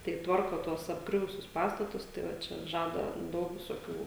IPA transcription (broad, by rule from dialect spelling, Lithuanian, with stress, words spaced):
tɐɪ ˈtʋɐrkoː ˈtuɔs ɐbˈɡrʲʊʋʊsʲʊs ˈpɑːstɐtʊs tɐɪ ˈʋɐ ˈt͡ʃʲɛ ˈʒɑːdɐ ˈdɐʊk ʋʲɪsoːˈkʲuː